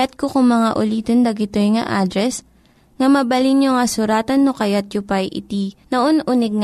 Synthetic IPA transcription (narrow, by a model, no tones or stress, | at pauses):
at̪̚kokʊŋmɐŋaʔʊliːt̪ond̪ɐɡɪt̪ojŋɐ̰ʔaːd̪ɾɛs | ŋɐmɐbɐlinjoŋɐsʊɾaːt̪ɐnːokɐjat̪̚jʊpɐjʔɪ̰t̪inɐʔonʔunɪɡ̚ŋ